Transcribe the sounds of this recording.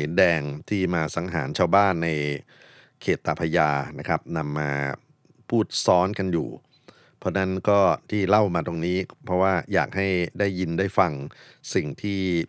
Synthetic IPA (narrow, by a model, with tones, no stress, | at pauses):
iː˩˦ndɛː˧ŋt̪ʰiː˥˩maː˧sa˩˦ŋɦaː˩˦nt͡ɕʰaː˧wbaː˥˩nːa˧j | kʰeː˨˩t̪ːaː˨˧˩pʰa˧jaː˧na˦˥kʰɾa˦˥p̚na˧mːaː˧ | pʰuː˥˩t̪̚sɔː˦˥nka˧njṵː˨˩ | pʰɔ˦˥na˦˥nkɔː˥˩t̪ʰiː˥˩la˥˩wmaː˧t̪o˧ŋniː˦˥pʰɾɔ˦˥waː˥˩ja̰ː˨˩k̚ha˥˩jdaː˥˩jːi˧ndaː˥˩jfa˧ŋ | si˨˩ŋt̪ʰiː˥˩